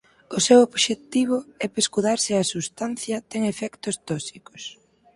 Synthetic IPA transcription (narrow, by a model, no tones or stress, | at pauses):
ʊsewoβʃet̪iβ̞ʊɛpeskuðaɾsɪɐsust̪an̟θjɐt̪ɛŋefɛkt̪ʊst̪ɔsikʊ̥s